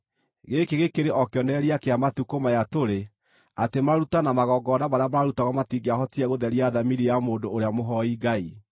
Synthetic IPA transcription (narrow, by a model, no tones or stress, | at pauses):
ɣekeɣekeɾeʔɔkjɔnɛɾiakeamatukomajatoɾe | atemaɾutanamaɣɔɡɔnaβaɾeabaaɾutaɣɔmatiɡeaɦɔtiɛɣoðɛɾiaðamiɾijamoːndoːɾeamoɦɔiɡai